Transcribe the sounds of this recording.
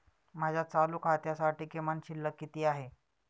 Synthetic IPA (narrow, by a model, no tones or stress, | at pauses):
m̤ad͡ʑʱjat͡saluːkɦat̪jasaʈiːkemanɕilːəkːit̪iːaɦe